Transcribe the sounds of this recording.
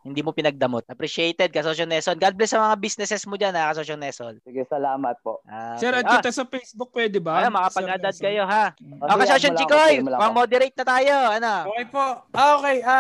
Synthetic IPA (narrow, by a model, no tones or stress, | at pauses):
hɪnd̪iːmopɪnɐɡ̚d̪ɐmot̪̚ʔɐpɾiʃɛjt̪ɛd̪̚kɐsoʃɐnɛsonɡad̪̚blɛsːɐmɐŋabisnɛsɛsmod͡ʒanhakɐsoʃonɛsolɡɪsɐlaːmɐt̪̚poʔasɛɾɐɐt̪ɐsɐfejsbʊk̚pwɛd̪ɪbɐnomɐkapɐɡʔaɐd̪ad̪̚kɐjo̞ɦaʔokɐsoʃot͡ʃɪkojpɐŋmod̪ɛɾɐjt̪̚nɐt̪aːjoʔɐnookejpookeja